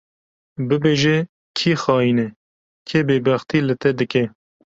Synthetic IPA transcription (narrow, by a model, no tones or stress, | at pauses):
bɨbeːʒɛ | kʰiːxɑːiːnɛ | kʰebeːbæxt̪iːlɨt̪ɛd̪ɨkɛ